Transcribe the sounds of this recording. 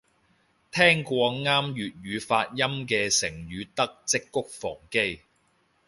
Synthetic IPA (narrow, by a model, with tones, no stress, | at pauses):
t̪ʰɛː˥ŋkʷɔː˧ŋaː˥mjyː˨t̚ɥyː˨˧faː˧t̚jɐ˥mkɛː˧sɪ˨˩ŋjyː˨˧t̪ɐ˥k̚t͡sɪ˥kːʊ˥k̚fɔ̰ː˨˩ŋke˥j